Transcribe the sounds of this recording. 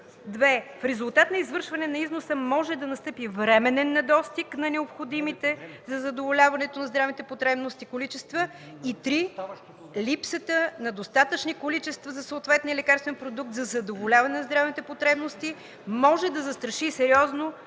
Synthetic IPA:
d̪vɛfɾɛzulˠt̪at̪nɐizvɤɾʃvɐnɛnɐiznosəmɔʒɛd̪ɐnɐst̪ɤpivɾɛmɛnɛnːɐd̪ɔst̪iknɐnɛopxod̪imit̪ɛzɐzɐd̪ovolʲavɐnɛt̪onɐzd̪ɾavit̪ɛpot̪ɾɛbnost̪ikolit͡ʃɛst̪və | it̪ɾi | lipsət̪ənɐd̪ost̪at̪ət͡ʃnikolit͡ʃɛst̪vɐzɐsoːt̪vɛt̪niɛlɛkaɾst̪vɛnpɾod̪uk̚t̪zɐzɐd̪ovolʲavɐnɛnɐzd̪ɾavit̪ɛpot̪ɾɛbnost̪i | mɔʒɛd̪ɐzɐst̪ɾɐʃisɛɾʲiɔzno

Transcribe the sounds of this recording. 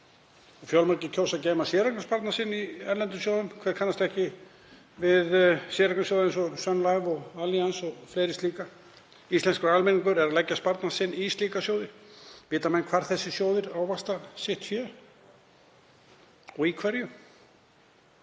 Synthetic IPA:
ɔfjɔlmaɾcɪcʰoːwsacɛːmasjɛːɾaknaspaɾt̪nasɪnːiɛɾlɛnt̪ʏsjowðʏmkʰvɛːð̥kʰanːast̪ɛhcɪ | vɪðsjɛːɾaknasjoːðɛnsɔsœnlajvɔɣaliansɔɣfleːɾɪst̪liːka | ist̪lɛnskʏɾalmɪniŋkʏɾɛɾalɛcːaspaɾt̪nasɪnːist̪liːkasjowðɪvɪːt̪amɛnkʰvaɾ̥θɛsːɪsjoːwðɪɾawvast̪asɪht̪fjœː | ɔɣikʰvɛɾjʏ

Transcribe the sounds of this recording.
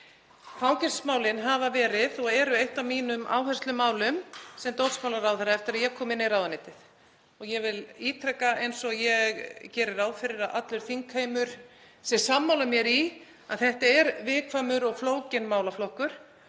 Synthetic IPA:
fawcɛ̥smaːwlɪnɦavavɛːɾɪðɔɣɛɾʏejht̪awmiːnʏmʔa̰ːwhɛst̪lʏmaːwlʏmsɛmt̪ow̪skʰawlaɾawθɛɾaɛft̪ɪɾaðjɛkʰɔːmɪnːɪɾawðanejt̪ɪθ | ɔɣjɛvɪliːt̪ʰɾɛkaʔejnsɔjɛɣcɛːɾɪɾawðfɪɾɪɾaðʔa̰t̪lʏɾ̥θiŋkhejmʏɾ̥ | sɛsamːawlamjɛɾi | aðθɛht̪aɛɾvɪːðkʰvamʏɾɔɣfloːwcɪnmaːwlaflɔhkʏɾ̥

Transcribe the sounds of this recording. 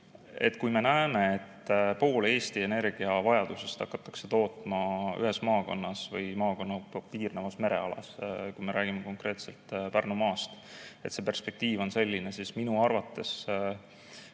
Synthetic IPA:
e̞̰t̪ːˑkujme̞næeme̞et̪ːpo̞ːleːst̪ie̞ne̞rɡ̥iɑvɑjɑd̪̥use̞st̪ɑ̰kːɑt̪ːˑɑ̥kse̞t̪o̞ːt̪ˑmɑy̰ɦe̞smɑːko̞̰nːɑsvɤjmɑːko̞nːɑpiːrnevɑsme̞ɾe̞̰ɑlɑ̰skujme̞ɾʔæːɡ̥imeko̞ŋkre̞ːt̪se̞lt̪ˑpærnumɑːst̪e̞t̪se̞ːpe̞rspe̞k̚t̪iːvo̞nse̞lʲːine̞sisminuɑrvɑt̪ːe̞s

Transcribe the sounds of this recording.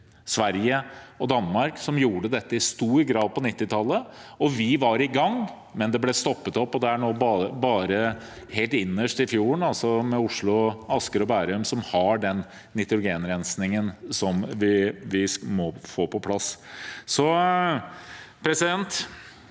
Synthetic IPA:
sʋæɾjəɔd̪ɑnːmɑɾksɔmjuːɖəd̪ɛt̪ːəɪst̪uːɾɡɾɑːd̪̚pɔnɪt̪ːɪt̪ʰɑlːəɔʋɪʋɑɾɪɡɑŋː | mɛnd̪ɛblɛst̪ɔpːət̪ɔpːɔd̪ɛæɳoːbbɑːɾə | heːlt̪ɪnːəʂʈɪfjuːɳɑlsɔmɛʊʂɭʊɑskəɾɔbæɾʉmsɔmhɑɖɛnː | ɪt̪ɾʊɡeːnɾɛnsnɪŋənsɔmʋɪʋɪmɔfoːpʰɔpʰlɑssɔ | pʰɾɛsɪd̪ɛnt̪

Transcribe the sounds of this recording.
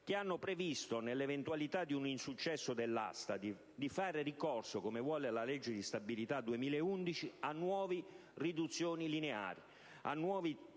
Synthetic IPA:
k̟ɪanːopɾevist̪onelːevent̪uwalit̪ad̪iuninsut͡ʃːɛsːʊd̪elːa̰st̪ad̪i | d̪ifaːɾɪrikɔrsokomevwɔːlelalɛd͡ʒːed̪ist̪abilit̪ad̪uemiːlaɛund̪it͡ʃianːwɔːvi | rid̪ut̪sːjoːnilinea̰ːɾi | a̰nːwɔːvi

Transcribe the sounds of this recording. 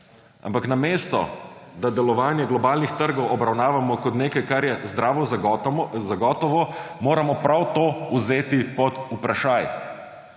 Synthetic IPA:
a̰mpaknameːst̪ɔ̰d̪ad̪ɛlɔʋaːnjɛɡlɔbaːlnixt̪əɾɡɔwɔbɾawnaːʋamɔkɔt̪neːkajkaɾjɛzd̪ɾaːʋɔ | zaɡɔːt̪ɔʋɔmoːɾamɔpɾawt̪oːuzeːt̪ipɔd̪upɾaʃaːj

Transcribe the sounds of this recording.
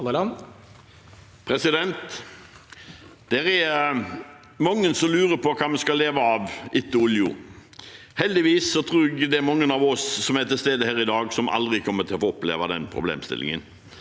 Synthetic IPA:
pʰɾɛsɪd̪ɛnt̪ | d̪̥æɾæɾ | mɑŋːənsɔmlʉːɾəɾpʰɔkʰɑːmɛskɑlːeːʋəɑʋɪt̪ːəʊljʊ̰ | hɛld̪ɪʋiːsːɔt̪ʰɾuːɡd̪ɛæɾmɑŋːənɑʋɔsːɔmæɛt̪ʰːɪst̪eːd̪əhæːɾɪd̪ɑːɡsɔmʔɑ̰ld̪ɾɪkʰɔmːəɾt̪ʰɪlɔfoːɔplḛːʋɑd̪ɛ̰npʰɾʊ̰blḛːmst̪ɪ̰lɪ̰ŋə̰n

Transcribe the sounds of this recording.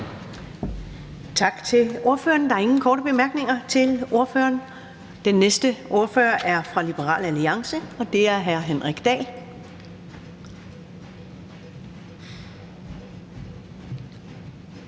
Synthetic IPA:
t͡sʰɑ̈ɡ̥t͡sʰe̝lo̝ɐføːɐnd̥ɑ̈æɐe̝ŋn̩kʰɒ̰ːɾəb̥e̝mæɐɡ̥ne̝ŋɐt͡sʰe̝lo̝ɐfø̰ːɐn | d̥enːesd̥əʔo̝ɐfø̰ːɐʔæɐfʁɑ̈lib̥əʁɑ̰̈ːlæliɑ̈ŋsəɒ̽d̥e̝æɐɦæɐɦenʁɛɡ̥d̥ɛ̰ːl

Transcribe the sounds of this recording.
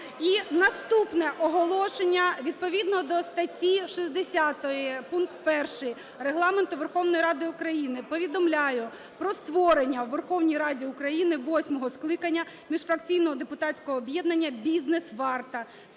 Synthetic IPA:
inɐst̪upnɛʔɔɦɔlˠɔʃenʲːɐʋʲid̪̚pɔʋʲid̪nɔd̪ɔst̪ɐtʲiʃizʲd̪esʲat̪ɔjipunkt̪pɛrʃɪj | reɦlˠɑment̪ʊʋerxɔwnɔjiɾɑd̪ɪʊkɾɐjinɪpɔʋʲid̪ɔmlʲajʊ | pɾɔst̪ʋɔɾenʲːɐwʋerxɔwnʲijɾɑdʲiʊkɾɐjinɪʋɔsʲmɔɦɔsklˠɪkɐnʲːɐ | mʲiʃfɾɐkt͡sʲijnɔɦɔd̪epʊt̪ɑtt͡sʲkɔɦɔːbjɛd̪nɐnʲːɐbʲiznesʋɑrt̪ɐ

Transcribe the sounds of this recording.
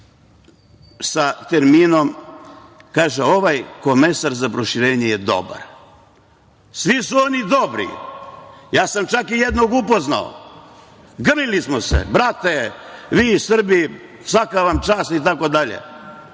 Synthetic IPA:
sat̪eɾmiːnom | kaːʒeo̞ʋajko̞mesaɾzapɾoʃiɾeːɲejed̪o̞̰ba̰ɾ | sʋisuo̞nid̪o̞bɾḭ | jaːsamt͡ʃakijed̪noɡupozna̰o̰ | ɡr̩nilismosḛbɾat̪eʋiːsr̩bi | sʋakaʋamt͡ʃaːst̪it̪̬ako̞d̪aʎḛ

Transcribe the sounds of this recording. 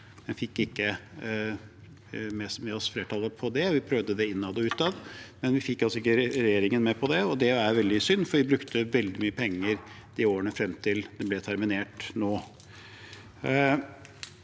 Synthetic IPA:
mɛnfɪkːɪkːə | mɛsmɛɔsfleːʈʰɑːləpʰɔd̪ɛʋɪpʰɾœʋd̪əd̪ɛɪnːɑd̪ɔʉːt̪ɑd̪mɛnʋɪfɪkːɑlsɔɪk̬ːəɾɛjeːɾɪŋənmɛpʰɔd̪ɛɔd̪ɛæɾʋɛld̪ɪsʏnːfɔɾʋɪbɾʉkt̪əʋɛld̪ɪmyːəpʰɛŋːəɾ | d̪̥ɪoːəɳəfɾɛmt̪ʰɪld̪̥ɛblɛt̪ʰæɾmɪneːʈnoː

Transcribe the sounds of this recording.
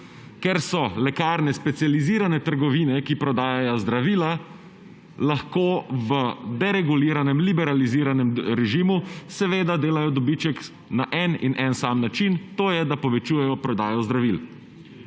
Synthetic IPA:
kɛɾsɔlɛkaːɾnɛspɛt̪sijaliziːɾanɛt̪əɾɡɔʋiːnɛkipɾɔd̪aːjajɔzd̪ɾaʋiːla | laxkoːʋəd̪ɛɾɛɡuliːɾanɛmlibɛɾaliziːɾanɛmɾɛʒimusɛʋeːd̪ad̪eːlajɔd̪ɔbit͡ʃɛk | naʔɛnḭnʔɛnsaːmnat͡ʃint̪oːjɛd̪apɔʋɛt͡ʃuːjɛjɔpɾɔd̪aːjɔzd̪ɾaʋil

